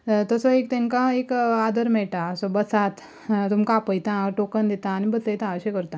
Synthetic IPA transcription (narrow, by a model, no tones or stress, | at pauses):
t̪əsɔek̚t̪ẽnkaekad̪əɾmɛɭʈasɔbəsat̪ | t̪umkãpəjt̪ãʈokənd̪it̪ãːnibəsəjt̪ãːɕekəɾt̪ã